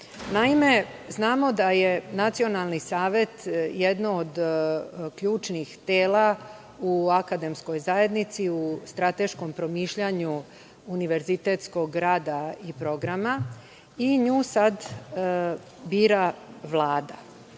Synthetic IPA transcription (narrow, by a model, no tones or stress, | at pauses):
naime̞ | znaːmo̞d̪aje̞nat̪sio̞nalˠnisaːʋje̞t̪jed̪nood̪ | kʎuːt͡ʃnixt̪eːla | uakad̪e̞msko̞jzaje̞d̪nit̪siust̪ɾat̪e̞ʃko̞mpɾo̞miːʃʎaɲu | uniʋe̞ɾzit̪et̪sko̞ɡɾaːd̪aipɾo̞ɡɾama | iɲuːsad̪ | biːɾaʋlˠaːd̪a